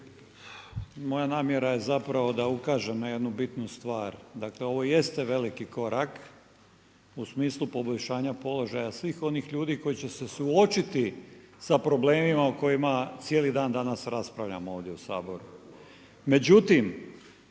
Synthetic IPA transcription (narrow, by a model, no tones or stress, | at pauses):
mo̞janaːmje̞ɾaje̞zapɾaʋo̞d̪aukaːʒemoje̞d̪nubit̪nust̪ʋaːɾd̪akle̞o̞ʋo̞je̞st̪eʋe̞likiko̞ɾʔak | usmiːslˠupo̞boʎʲʃaːɲapo̞lo̞ʒajasʋiːxo̞niːxʎuːd̪iko̞jit͡ɕe̞se̞suo̞t͡ʃit̪isapɾo̞ble̞ːmimauko̞jimat̪sijelid̪aːnd̪anasɾaspɾaʋʎʲa̰moo̞ːʋd̪jeusa̰ːbo̞ɾu | me̞d͡ʑut̪im